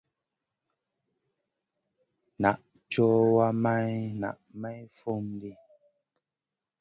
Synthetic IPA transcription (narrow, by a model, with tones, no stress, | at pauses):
na˨ʔ | t͡ʃɔ˦wa˦ma˦jna̰˨ʔma˦jfo˦˨mdi˦